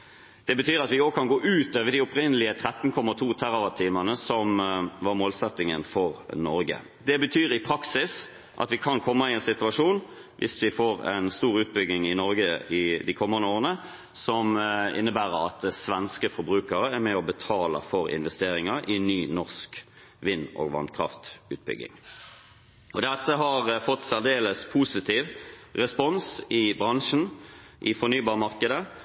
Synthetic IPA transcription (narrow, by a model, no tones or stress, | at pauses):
d̪̥ɛbət̪ʰyːɾɑt̪ʋɪoːɡ̚kʰɑnɡoːʔʉːt̪øːʋəd̪iʊpɾɪnːəlɪət̪ʰɾɛt̪ːn̩kʰɔmːɑt̪ʰuːt̪ʰæɾɑʋɑt̪ʰiːmənəsɔmʋɑɾmoːlsɛt̪ːɪŋənfɔɾnɔɾɡə̰ | d̪ɛbət̪ʰyːɾɪpʰɾɑksɪs | ʔɑ̰t̪ʋɪkʰɑnkʰɔmːɑɪɛnsɪt̪ʉɑʂuːn | ʋʔɪ̰sʋɪfoːɾɛ̰nst̪uːɾʉːt̪̚bʏɡnɪŋɪnɔɾɡəɪd̪ɪkʰɔmːənəoːʁənə | sɔmɪ̰nːəbæːɾəɾɑ̰t̪sʋɛnskəfɔɾbɾʉːkəɾəæʁɾmɛɔbət̪ʰɑːlə̰fɔɾɪ̰nʋɛst̪eːɾɪŋɑɾɪnyːnɔʁsk | ʋɪnːo̰ːɡʋɑ̰nkʰʁɑ̰ft̪ʉ̰ːt̪̚bʏ̰ɡːɪ̰ŋ | ɔd̪ɛt̪ːəɦɑʁfɔt̪ːsæʁd̪eːləspʰuːsɪt̪ʰiːʋʁɛspɔnsɪbʁɑŋʂn̩ | ʔɪfɔʁnyːbɑːʁmɑʁkəd̪ə